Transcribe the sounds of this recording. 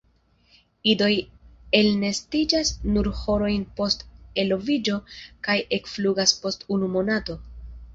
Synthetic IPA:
ido̞jelne̞stid͡ʒasnuɾho̞ɾo̞jnpo̞ste̞lo̞vid͡ʒo̞kajʔe̞kfluɡaspo̞stunumo̞nato̞

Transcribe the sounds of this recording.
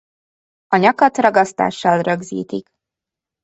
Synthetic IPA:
ɒɲɒkɒt̪rɒɡɒst̪a̰ːʃːɒlrøɡzḭːt̪ik

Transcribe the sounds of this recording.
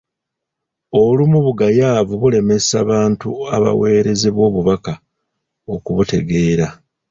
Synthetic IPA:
o̞lumuβuɡajaːvuβule̞me̞saβaːntuaβa̰we̞ːɾe̞ze̞βwo̞ːβuβaka | okuβute̞̰ɡe̞ːɾa

